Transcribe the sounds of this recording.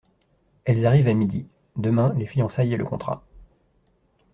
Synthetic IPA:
ɛlzaʁivamid̪i | d̪əmɛ̃lefijɔ̃sajelə̰kɔ̃t̪χa̰

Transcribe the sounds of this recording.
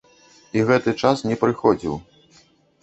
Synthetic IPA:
iɣɛt̪ɨt͡ʂasnʲɛpɾɨxɔd͡zʲḭw

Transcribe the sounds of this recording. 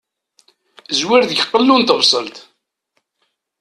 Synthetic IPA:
zwɪɾðʝəqːəlːunt̪əvsˤə̰lt̪

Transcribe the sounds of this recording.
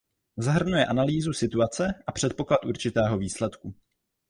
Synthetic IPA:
zaɦr̩nujɛʔanaliːzusɪt̪uat͡sɛʔapr̝̥ɛt̪̚po̞klat̪ʔuɾt͡ʃɪt̪ɛːɦo̞viːslɛt̪ku

